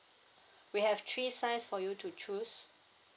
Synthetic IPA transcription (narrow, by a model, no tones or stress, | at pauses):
wihɛvtʰɹisãɪsfɔjutʰut͡ʃus